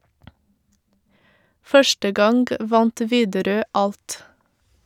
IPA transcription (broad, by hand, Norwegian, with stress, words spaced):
ˈfœʃʈə ˈɡɑŋɡ ˈʋɑnt ˈʋiːdəˌɾøː ˈɑlt